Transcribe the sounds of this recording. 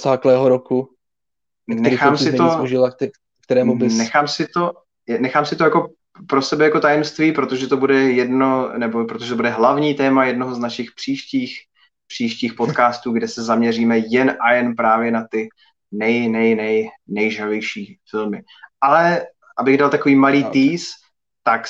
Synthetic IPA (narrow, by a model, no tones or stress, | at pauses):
zaːklɛːɦoɾoku | nɛxaːmsɪt̪ouʒɪla | kt̪ɛɾɛːmuɪnɛxaːmsɪt̪o̞ | nɛxaːmsɪt̪o̞jako̞ | pɾo̞sɛbɛjako̞t̪ajɛmst̪viːpɾo̞t̪o̞ʒɛt̪o̞budɛjɛdnonɛbopɾot̪oʒɛt̪obudɛɦlavɲiːt̪ɛːmajɛdno̞ɦoznaʃɪxpr̥iːʃciːx | pr̥iːʃciːxpo̞t̪kaːst̪uːɡdɛsɛzamɲɛr̝iːmɛjɛnʔajɛnpɾaːvjɛnat̪ɪ | nɛjnɛjnɛjnɛjʒɾavjɛjʃiːfɪlmɪ | ʔalɛ | ʔabɪɣdalt̪akoviːmaliːt̪iːs | t̪ak